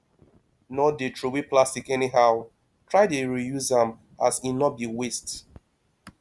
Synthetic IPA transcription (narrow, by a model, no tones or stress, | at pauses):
nɔdetʰɹowiplastikɛniɦaʊ | tʰɹaɪdeɹijuzãm | asinɔt̚biwest